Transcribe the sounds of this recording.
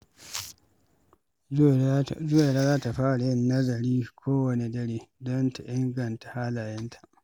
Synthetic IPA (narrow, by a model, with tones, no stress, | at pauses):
zʊ˦wa˨ɾa˦zaː˦ta˨ɸaː˦ɽa˨jɐ˦nːɐ˦zɐ˨ɾiː˦kʷʰoː˦wɐ˨ne˨dɐ˦ɽiː˦dɔ˦nta˨ʔɪ˦ŋɡɐ˨nta˨haː˦laː˨jɐ˦ntʰḁ˨ʔ